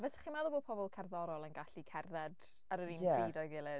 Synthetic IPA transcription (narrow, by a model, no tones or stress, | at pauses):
vɛsɪ̥χiːmaðɔboːpʰɔbɔlˠkʰɛrðɔɾɔlˠənɡaɬikʰɛrðɛd | aɾəɾinɛ̥edɔjɡɪlˠɪ